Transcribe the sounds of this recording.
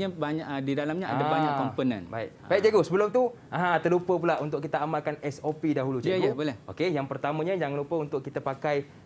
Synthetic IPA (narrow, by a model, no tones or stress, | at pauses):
ɲabaɲaʔdidalamɲaadabaɲakkːɔmpənə̰̃nbaḭk̚baik̚d͡ʒeɡosəbəlʊmt̪uʔaɦãt̪ərlupəpulaʔunt̪ʊʔkit̪əamalkanɛsopidaɦulud͡ʒeəɡobolɛhokejaŋpərt̪amə̃ɲə̃jaŋlupəunt̪ʊʔkːit̪əpakaj